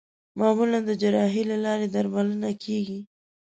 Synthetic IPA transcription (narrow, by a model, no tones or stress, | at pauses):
mɑmuland̪əd͡ʒaɾɑɦilalɑɾed̪aɾmalənakʰeɡi